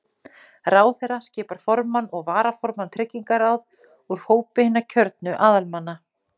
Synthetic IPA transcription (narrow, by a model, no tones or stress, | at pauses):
raːwθɛɾascɛːpaɾ̥fɔɾmanɔɣvaːɾafɔɾmant̪ʰɾɪcːiŋkaɾawð | uɾ̥hoːwpɪhɪnːacʰœɾt̪nʏʔaːðalmanːa